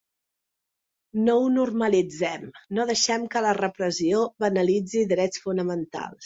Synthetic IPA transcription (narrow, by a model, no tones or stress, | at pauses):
nounurməlid͡zɛmnoðəʃɛmkələrəpɾəzioβənəlid͡ziðɾɛt͡sfunəmənt̪a̰lˠs